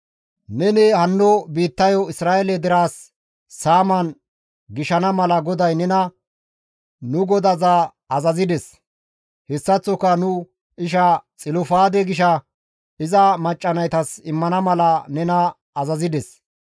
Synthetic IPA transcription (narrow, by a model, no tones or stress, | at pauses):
nɛnɛhɐnːɔbiːt̪ːɐjɔɪsɾaːʔɛlɛd̪ɪɾaːsː | aːmɐn | ɡɪʃɐnɐmɐlɐɡɔd̪ɐjnɛnɐ | nʊɡɔd̪ɐza | ɐzɐzɪd̪ɛs | hɛsːɐt͡sːɔkːɐnʊ | ɪʃ̬ɐt͡sʼɪlʊfaːd̪ɛɡɪʃ̬ɐ | ɪzɐmɐt͡ʃʼːɐnɐjt̪ɐsɪmːɐnɐmɐlɐnɛnɐː | zɐzɪd̪ɛs